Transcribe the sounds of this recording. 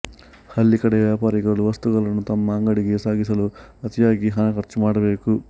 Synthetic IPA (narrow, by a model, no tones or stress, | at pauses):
hɐlːikɐɽeʋjaːpaːɾiɡɐɭuʋɐst̪uɡɐɭɐnːut̪ɐmːɐːŋɡɐɽiɡe̞saːɡis̬ɐluɐt̪ijaːɡiɦɐnɐkɐɾt͡ʃːumaːɽɐbe̞ːku